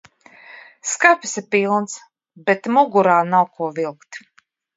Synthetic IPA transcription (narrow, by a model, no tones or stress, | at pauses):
skapʲi̥sipilˠns | bɛt̪muɡuɾaːnawkʰuɔvilˠkt̪